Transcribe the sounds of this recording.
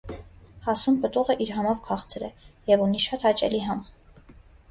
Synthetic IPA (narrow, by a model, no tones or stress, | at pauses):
hɑsumpət̪uʁɛʔiɾɦɑmɑvkʰɑχt͡sʰɾə̰jɛvuniʃɑt̪hɑt͡ʃɛ̰liɦɑm